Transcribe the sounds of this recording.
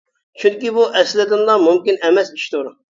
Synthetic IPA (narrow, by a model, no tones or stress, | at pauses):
t͡ʃʰyŋkʲibuʔɛslɪd̪ɪnlˠɑmumkʲinɛmɛsi̥ʃt̪uɾ